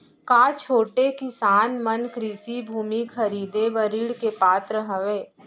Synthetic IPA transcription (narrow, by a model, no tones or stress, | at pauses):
kaːt͡ʃʰoːʈekɪsaːnmɐnkɾɪsibʱuːmikʰɐɾiːd̪ebɐɾiːɽkepaːt̪ɾəɦəʋeː